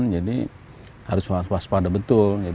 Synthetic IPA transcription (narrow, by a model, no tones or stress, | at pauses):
nd͡ʒadḭ | haɾʊswaswaaspadabət̪ʊld͡ʒa